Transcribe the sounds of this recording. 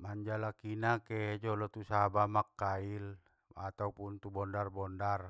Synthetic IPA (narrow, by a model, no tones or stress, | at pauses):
maɲd͡ʒalakinakɛɦed͡ʒɔlɔt̪usabamakːail | at̪aupunt̪ubɔndarbɔndar